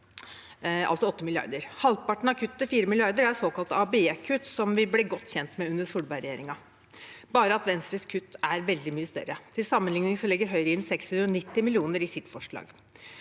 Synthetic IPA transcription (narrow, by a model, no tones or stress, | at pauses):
ɑ̰lt̪sɔɔt̪ːəmɪlɪɑ̰ɾd̪əɾhɑlpɑʈɳ̩ɑkʰʉt̪ːt̪ɪfiːɾəmɪlɪɑɾd̪əɾæɾsoːkɑlt̪əɑbeːkʰʉt̪ːsɔmʋɪblɛːɡɔt̪ːçɛnt̪mɛʉnd̪əsuːɽbɑɪɾɛjeːɾɪŋɑ | bɑːɾəɑt̪ʋɛnst̪ɾəskʰʉt̪ːæɾʋɛld̪ɪmyːəst̪œ̰ɾət̪ʰɪlsɑmːənlɪŋnɪŋsɔlɛɡːəɾɦœʏɾəɪnsɛkshʉnɾɔnɪt̪ːɪmɪlɪuːnəɾɪsɪt̪fɔʂɭɑ̰ːɡ